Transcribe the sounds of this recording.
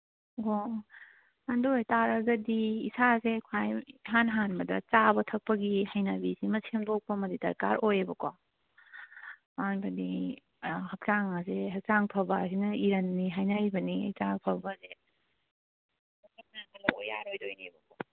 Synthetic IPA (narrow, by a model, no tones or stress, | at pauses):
o | andojtaɾɐzɐdiːsazekʰajɦanɦanbɐdɐt͡ʃabɐtʰɐk̚pɐɡihajnɐbisimɐsʰemdok̚pɐmɐdidɐ̰ɾkaɾojebɐko | anbɐdi | hɐk̚t͡ʃaŋazeɦɐk̚t͡ʃaŋpʰɐbasinɐiɾɐnːiɦajnaɾibɐniɐ̰t͡ʃapʰɐbɐze | kʰak̚nɐkʰɐlɐoja̰ɾojdojnebɐko